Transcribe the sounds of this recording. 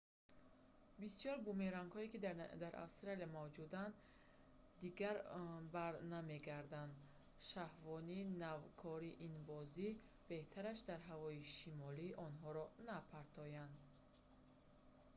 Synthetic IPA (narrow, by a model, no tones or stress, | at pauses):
bisjɔɾbumeɾaŋɡhɔikid̪d̪aɾʔa̰fst̪ɾaliamavd͡ʒud̪and̪ | d̪iɡaɾbaɾname̞ɡaɾd̪and̪ | ʃahvɔninavkʰɔɾiʔinbɔzi | b̥e̞ht̪ʰaɾaʃd̪aɾɦavɔiʃimɔliʔɔnɦɔɾɔnapʰaɾt̪ʰɔjand̪